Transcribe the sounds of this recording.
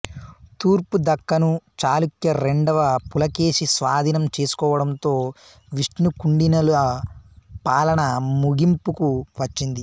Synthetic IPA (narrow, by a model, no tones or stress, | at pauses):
t̪uːɾpud̪ɐkːɐnut͡ʃaːlukjɐɾeɳɖɐʋɐpulɐke̞ːʂisʋaːd̪ʱinɐmt͡ʃe̞ːsu̥kɔːʋɐɽɐnt̪o̞ː | ʋiʂʈnukuɳɖinɐlɐ | paːlɐɳɐmuɡimpukuʋɐt͡ʃːind̪i